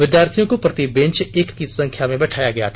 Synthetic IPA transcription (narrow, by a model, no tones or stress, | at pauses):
ʋɪd̪jaːɾt̪ʰijõkopɾɐt̪ibẽnt͡ʃeːkkisɐ̃ŋkʰjamẽbɛʈʰaːjaɡɐja̰t̪ʰː